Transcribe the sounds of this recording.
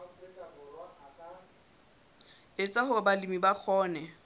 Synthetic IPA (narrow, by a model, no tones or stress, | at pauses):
ɪt͡sʼaɦʊbalimibak͡xʰɔːnɛ